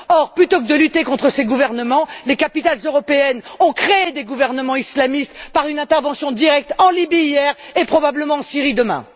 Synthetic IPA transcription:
ɔʁplyt̪okəd̪əlyt̪ekɔ̃t̪χəseɡuvɛʁnəmɑ̃lekapit̪alzøʁɔpeɛnɔ̃kχeed̪eɡuvɛʁnəmɑ̃islamist̪paʁynɛ̃t̪ɛʁvɑ̃sjɔ̃d̪iʁɛk̚t̪ɑ̃libiːjɛʁepχɔbabləmɑ̃ɑ̃siʁid̪əmɛ̰̃

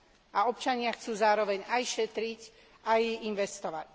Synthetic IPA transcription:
ʔaɔp̚t͡ʃaɲɪaxt͡suːzaːɾɔʋɛɲajʃɛt̪ɾic | ʔajinʋɛst̪ɔʋac

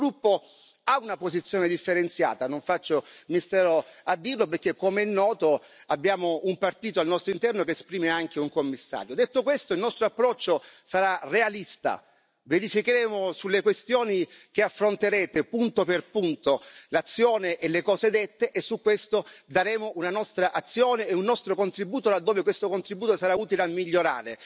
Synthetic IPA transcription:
ɡɾupːo | aunapozit̪sjoːned̪ifːeɾent̪sja̰ːt̪anoɱfat͡ʃːomiist̪ɛːɾoad̪ːiːrloperk̟ːekːomeɛnːɔːt̪o | abːjaːmoumpart̪iːt̪oalnɔst̪ɾoint̪ɛrnokeːspɾiːmeaŋk̟euŋkomːisːa̰ːɾjod̪et̪ːokwest̪oilnɔst̪ɾoapːɾɔt͡ʃːosaɾarealist̪a̰ | veɾifikeɾɛːmosulːekwest̪joːnik̟eafːɾont̪eɾɛːt̪epunt̪operpunt̪olat̪sːjoːneʔelːekɔːzed̪et̪ːeʔesːukwest̪od̪aɾɛːmounanɔst̪ɾaʔat̪sːjoːneːunːɔst̪ɾokont̪ɾibuːt̪olad̪ːoːvekwest̪okont̪ɾibuːt̪osaɾauːt̪ileamːiʎːoɾa̰ːɾe

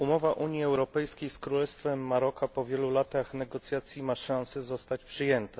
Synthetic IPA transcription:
umɔvaʔuɲjiɛwɾɔpɛjskʲejskɾulɛst̪fɛmːaɾɔkʰapɔvʲjɛlulat̪axnɛɡɔt̪sʲjat̪sʲjimaʂãsɛzɔst̪at͡ɕpʂɘjɛnt̪a

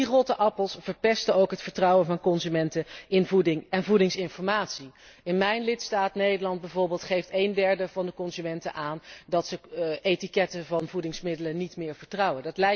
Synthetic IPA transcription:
irotəʔɑpəlˠsv̥əɹpɛstəowkɦətfəɹtrɑwənvɑnkɔnzymɛntəɪnvudɪŋɛnvudɪŋsɪnfɔɹmaːtsi | ɪnmɛjnlɪtstaːtnejdəɹlɑnd̚bɛjvoːɹbɪːlˠtχejftejndɛɹdəvɑndəkɔnzymɛntə̰ʔaːndɑtsəʔetikɛtəvɑnvudɪŋsmɪdələnːitmɪːɹv̥əɹtrɑwəndɑtlɛj

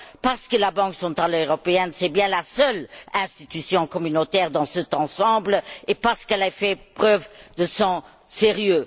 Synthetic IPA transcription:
paʁsə̥kəlabɑ̃ksɑ̃t̪ʁaløʁɔpeɛnsɛbjɛ̃lasœlɛ̃st̪it̪ysjɔ̃kɔmynot̪ɛʁd̪ɑ̃sət̪ɑ̃sɑ̃bləepaʁsə̥kɛlfɛpχœvd̪əsɔ̃ | seʁjø

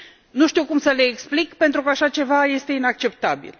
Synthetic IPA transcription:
nuʃt̪iwkumsəle̞ːksplikpe̞nt̪ɾukəaʃat͡ʃe̞vaje̞st̪e̞inak̚t͡ʃe̞p̚t̪abḭl

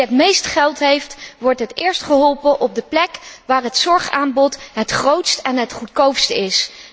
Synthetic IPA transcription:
ətmejstχɛlˠtɦejftʋɔɹtɦətɪːɹstχəɦɔlˠpənʔɔb̚dəplɛkʋaːɹɦətsɔɹχa̰ːnbɔtɦətχrowtstɛnɦətχutkowpstəɪs

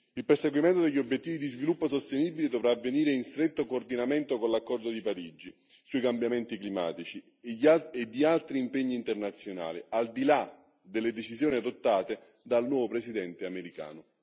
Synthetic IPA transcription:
ilperseɡwiment̪od̪eʎːiobjet̪ːiːvid̪izvilupːosost̪eniːbiled̪ovɾaːvːeniːɾeinst̪ɾet̪ːokoːrd̪inament̪okonlakːɔrd̪od̪ipaɾid͡ʒi | suikambjament̪iklima̰ːt̪it͡ʃi | ʎed̪ːialt̪ɾiːmpeɲːiːnt̪ernat̪sːjona̰ːliald̪ila | d̪elːed̪et͡ʃizjoːniad̪ot̪ːaːt̪e | d̪alnwɔːvopɾesid̪ɛnt̪eameɾika̰ːnʊ

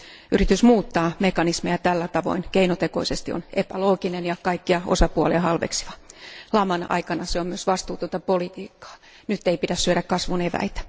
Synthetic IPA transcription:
ʔyrit̪ysmuːt̪ːɑːmekɑnismejɑt̪ælːæt̪ɑʋo̰inkeinot̪eko̰isest̪io̰nepæloːkinenjɑkɑikːiɑo̰sɑpuɑliɑhɑlʋḛksi̥ʋɑlɑmɑnɑ̰ikɑnɑseommyøsʋɑst̪uːt̪ont̪ɑpolit̪iːkːɑ̥ː | nyt̪ːeipitæssyøɾækkɑsʋuneʋæ̰it̪æ̥

